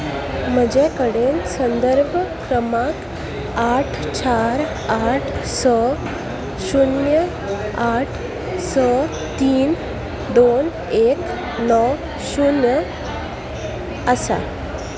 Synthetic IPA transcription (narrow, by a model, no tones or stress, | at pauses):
m̤əd͡ʑekəɽensənd̪əɾbʱəkɾəmak | aʈʰ | t͡ɕaɾ | aʈʰsɔ | ɕunjə | aʈʰ | sɔ | t̪iːn | d̪on | ek | nɔ | ɕunjə | əsa̰